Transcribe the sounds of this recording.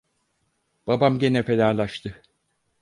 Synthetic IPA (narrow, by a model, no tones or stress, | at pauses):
b̥abamɟe̞nɛfelaːlˠaʃt̪ʰɯ